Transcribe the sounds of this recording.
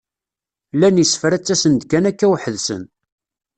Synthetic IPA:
lænjisfɾæt͡sːæsənd̪kænækːæwħəðsə̰n

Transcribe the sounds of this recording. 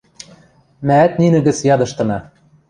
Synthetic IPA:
mæːt̪̚ninɘ̆ɣɘ̆t͡sjɑd̪ɤ̆ʃt̪ɤ̆nɑ

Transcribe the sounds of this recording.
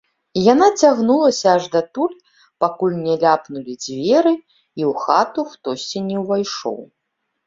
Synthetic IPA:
janat͡sʲaɣnulˠɐsʲɐaʐd̪ɐt̪ulʲ | pakulʲnʲɛlʲapnulʲid͡zʲvʲɛɾɨ | iwxat̪uxt̪ɔsʲt͡sʲinʲɛwvajʂɔ̰w

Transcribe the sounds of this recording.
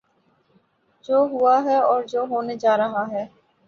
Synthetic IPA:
d͡ʒoːɦʊaɦɛːɔːɾd͡ʒoːɦoːned͡ʒaːɾəɦaɦɛː

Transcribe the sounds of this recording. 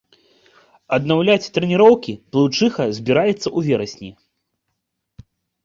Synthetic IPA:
ɐd̪nawlʲat͡sʲt̪ɾɛnʲiɾɔwkʲiplˠɨt͡ʂɨxɐzʲbʲiɾajɛt̪sːɐʔuvʲɛɾɐsʲnʲi

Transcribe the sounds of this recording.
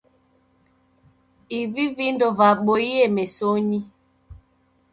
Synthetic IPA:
ivivindɔvaɓoiemesoɲi

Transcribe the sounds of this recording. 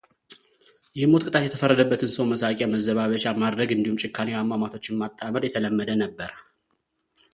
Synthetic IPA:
jɛhmo̞t̪kʼɨt̪ʼat̪jɛt̪ʰəfərːəd̪əbːət̪ʰɨnsəwməsakʼjaməzːəβaβət͡ʃamad̪ɾəɡɨnd̪ihumt͡ʃʼɪkʰːaniwamːamat̪ʰo̞t͡ʃːɪnmat̪ʼːaməɾjɛt̪ʰələmːəd̪ənəbːəɾ

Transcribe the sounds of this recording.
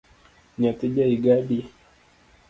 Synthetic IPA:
ɲatiʄaiɡaɗi

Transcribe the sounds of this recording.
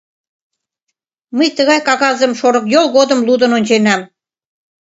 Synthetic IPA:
məjt̪əɣɑjkɑɣɑzə̆mʃoɾɤ̆kjolˠɣod̪ə̆mlud̪ə̆nonʲt͡ɕenæm

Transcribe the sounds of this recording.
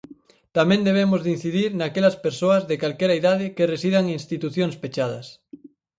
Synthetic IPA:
t̪amẽnd̪eβ̞emozðin̟θiðiɾnakelɐspeɾsoɐzðekalkeɾaiðað̞ɪkeresiðaŋinst̪it̪uθjonspet͡ʃað̞ɐ̰s

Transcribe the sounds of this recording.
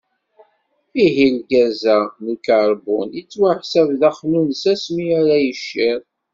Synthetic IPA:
iɦilɡæzænukaɾˤbunit͡sːwaħsævðæχnunsæsmiæɾæjəʃːiɾˤ

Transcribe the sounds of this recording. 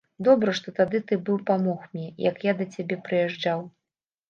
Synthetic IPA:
d̪ɔbɾɐʂt̪ɔt̪ad̪ɨt̪ɨbɨwpamɔxmʲnʲɛjɐ̰kjad̪ɐt͡sʲabʲɛpɾɨjɛʐd͡ʐaw

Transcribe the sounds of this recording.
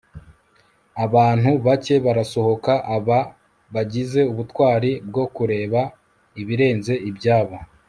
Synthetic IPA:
aβaːn̥huβace̞βaɾaso̞ho̞kaʔaβa | βaɟize̞uβutwaːɾib̚ɡo̞kuɾe̞ːβa | iβiɾe̞ːnze̞ibɟaːβa

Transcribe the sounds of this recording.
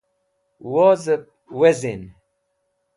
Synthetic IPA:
woːzəp̚ | wezin

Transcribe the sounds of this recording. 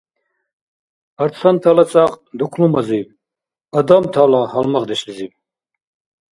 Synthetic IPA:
aɾt͡sʰant̪ʰalat͡sʼaqʼd̪ukʷʰlumazib | ad̪amt̪ʰalahalmaʁd̪ɛʃlizib̚

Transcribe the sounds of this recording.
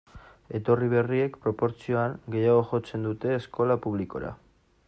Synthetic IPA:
e̞t̪o̞riβ̞e̞rie̞kpɾo̞po̞ɾt͡sio̞aŋɡe̞jaɣ̞o̞ʝo̞t͡se̞nd̪ut̪e̞ːsko̞lapuβliko̞̰ɾa̰

